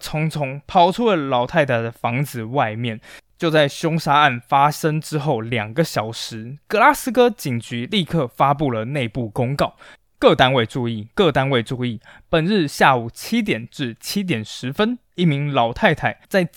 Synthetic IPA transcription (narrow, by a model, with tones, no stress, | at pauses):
t͡sʰʊ˧˥ŋt͡sʰʊ˧˥ŋpʰɑ˥ʊʈ͡ʂʰu˥lə˨lɑ˨˥ʊt̪ʰa˥˩ɪt̪ʰə˩ə˩fɑ˧˥ŋt͡sɹ̩˨˩wa˥˧ɪmjɛ˥˨˩nt͡ɕjo˥˧ʊt͡sa˥˩ɪɕjʊ˥ŋʂa˥a˥˩nfa˥ʂə˥ŋʈ͡ʂɻ̩˥xo˥˩ʊljɑ˨˩ŋɡə˦ɕjɑ˨˩ʊʂɻ̩˧˦kɤ˥˧la˥sɹ̩˥kɤ˥t͡ɕi˨˩ŋt͡ɕy˧˥˦li˥˧kʰɤ˥˩fa˦˥p̬u˥˩lə˩ne˥˧ɪpu˥˩kʊ˥ŋkɑ˥˩ʊ | kɤ˥˩t̪a˥nwe˥˧ɪʈ͡ʂu˥˧i˥˩kɤ˥˨t̪a˥nwe˥˧ɪʈ͡ʂu˥˧i˥˩pə˨˩nɻɻ̩˥˧ɕja˥˩u˨˩t͡ɕʰi˥t̪jɛ˨˩nʈ͡ʂɻ̩˥˩t͡ɕʰi˥t̪̬jɛ˨˩nʂɻ̩˧˥fə˥n | i˥˩mi˧˥ŋlɑ˨˩˦ʊt̪ʰa˥˧ɪt̪ʰa˨˩ɪt͡sa˥˧ɪ